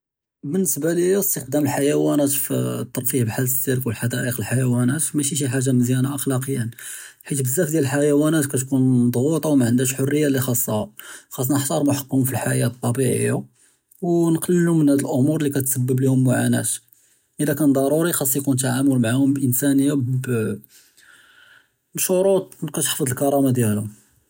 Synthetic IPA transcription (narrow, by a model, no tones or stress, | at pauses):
bənːəsbaləjuəst̪əxd̪æməlħajæwænæt̪ft̪ˤːɑɾˤfihbħalsiɾkwəlħad̪æʔəqəlħajæwænæt̪mæʃiʃ̬iħaʒːaməzjænaʔɑxlɑqəjːən | ħit̪bəzːæfd̪jæləlħajæwænæt̪kæt̪kund̪ˤɣut̪ˤɑwmaʕənd̪æʃħorːəjːalixɑsˤːɑhaxɑs̬ˤːɑnəħt̪ˤɑɾˤmʊħɑ̥qːʊmfilħajæt̪ˤːɑbiʕə̰jːa | wnqɑlːəlumənhæd̪əlʔʊmuɾˤlikæt̪səbːəblihʊmːʊʕanæ̰t̪ | ʔəd̪ækænd̪ˤɑɾˤuɾixɑsˤːjkunt̪aʕamʊlmaʕahʊmʔənsænəjːab | bʃʊɾut̪̚ˤkæt̪ħfəd̪ˤəlkɑɾˤɑmad̪jælʊ